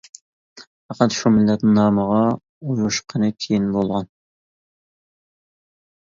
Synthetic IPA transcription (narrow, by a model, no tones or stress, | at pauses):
ɑqʰɑt̪ʃumɪlːɛt̪nɪnɑːməʁɑ | ujoʃqʰənɨt̪ʰijinbolˠʁɑn